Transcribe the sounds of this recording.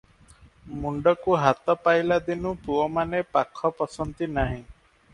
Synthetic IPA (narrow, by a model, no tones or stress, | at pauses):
muɳɖɔkuɦat̪ɔpajlad̪inupuɔmanepakʰɔpɔsɔnt̪inaɦĩ